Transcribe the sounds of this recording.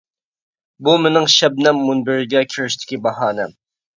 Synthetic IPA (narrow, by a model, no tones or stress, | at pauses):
bumɪnɪŋʃɛb̚nɛmːunbɪɾɪɡʲɛkʲʰyɾɪʃt̪ʰɪ̥kʲibɑɦɑːnɛm